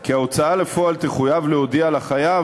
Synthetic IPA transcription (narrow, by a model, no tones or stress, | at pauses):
kiao̞t͡saale̞fo̞alt̪eχujavleod̪ialaχaja